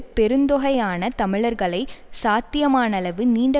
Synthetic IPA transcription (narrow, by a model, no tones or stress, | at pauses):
pɛɾɯnd̪ɔɣɐjaːnɐt̪ɐmɪɭɐɾɣɐɭɐɪsaːt̪ːɪjɐmaːnɐlɐʋɯniːɳɖɐ